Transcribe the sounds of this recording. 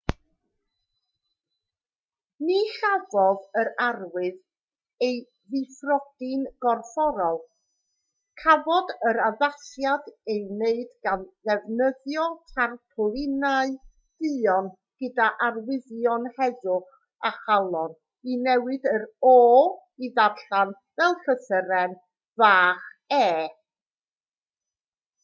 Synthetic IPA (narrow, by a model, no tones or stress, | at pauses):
niɬavɔðəɾarwɨð | ej | ðɨfrɔd̥ɪnɡ̥ɔrfɔɾɔlˠ | kʰavɔdəɾavasjadejneɨdɡ̥anðɛvnəðjɔtʰarpʰʊlɪnaɨ | d̥ɨɔn | ɡ̥ədaʔarwɪðjɔnhɛðʊχ | aχalˠɔn | inɛwɨdəɾɔːiðarɬan | vɛlˠɬəsəɾɛn | vaːχ | ɛː